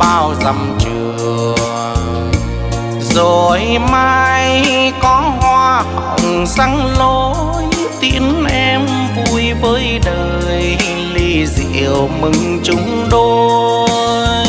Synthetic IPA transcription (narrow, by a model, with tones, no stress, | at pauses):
ɓaː˧˩wza˨˩mt͡ɕɨ˧˩əəə | zo˨˩jmaː˧jkɔ˨˦ɦwaː˧ʔə˨˩wŋ͡msa˨˧˦ŋlo˧˦ | j | t̪i˧˥ənʔɛ˧m | vu˧jvəː˨˦jɗəː˨˩ | j | li˧zḭ˧˨əwmɨ˨˩ŋ | t͡ɕʊ˨˦ŋ͡m | ɗo˧ | j